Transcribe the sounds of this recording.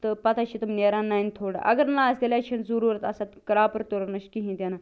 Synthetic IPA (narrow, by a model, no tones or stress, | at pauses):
t̪ɨpɐt̪ʰat͡ʃʰit̪umneːɾaːnːaːinʲt̪ʰoːɽa̰ʔɐ̰ɡɐɾnaːsd̪ʲelʲet͡ʃʰinzuɾuːɾɐt̪ɐsɐt̪kɐɾaːpɐɾt̪oɾɐnɐʃkiɦĩːt̪ʲena